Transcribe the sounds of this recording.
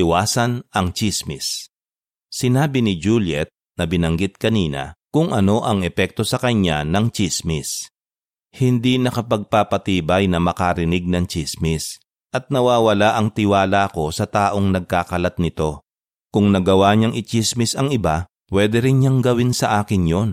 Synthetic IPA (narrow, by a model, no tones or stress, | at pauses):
ɪwaːsɐnʔɐŋt͡ʃismɪ̰s | sɪnaːbɪnɪd͡ʒuːljɛt̪̚nɐbɪnɐŋɡɪt̪̚kɐniːnɐ̰kʊŋʔɐno̞ʔɐŋɛpɛk̚t̪o̞sɐkɐɲanɐŋt͡ʃismɪs | hɪnd̪inɐkɐpɐɡ̚papɐt̪iːbɐjnɐmɐkaɾɪnɪɡ̚nɐŋt͡ʃismɪs | ʔɐt̪̚nɐwaːwɐlaʔɐŋt̪ɪwaːlako̞sɐt̪aːʔo̞ŋnɐɡ̚kaːkɐlɐt̪̚nɪt̪o̞ | kʊŋnɐɡɐwaɲaŋʔɪt͡ʃismɪsɐŋɪba | pwɛːd̪ɛɾɪnɲaŋɡɐwɪnsɐʔaːkɪnjo̞n